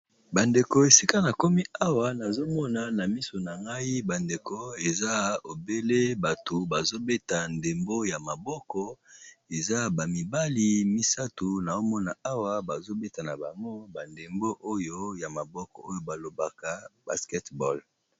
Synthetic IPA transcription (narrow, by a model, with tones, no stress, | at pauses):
ba˨nde˨ko˨e˨si˦ka˦na˨ko˦mi˦a˦wa˨na˨zo˦mɔ˦na˨na˨mi˦so˨na˨ŋɡa˦i˦ba˨nde˨ko˨e˨za˦o˨be˦le˦ba˨to˨ba˨zo˦be˦ta˨nde˨mbo˦ja˨ma˨bɔ˦kɔ˦e˨za˦ba˨mi˨ba˦li˦mi˦sa˦tu˨na˨o˦mɔ˦na˨a˦wa˦ba˨zo˦be˦ta˨na˨ba˨ŋɡo˦ba˨nde˨mbo˦ʔo˦jo˦ja˨ma˨bɔ˦kɔ̰˨o˦jo˨ba˨lo˨ba˨ka˨b̥a̰˨skɛ˦tbɔ˦˨l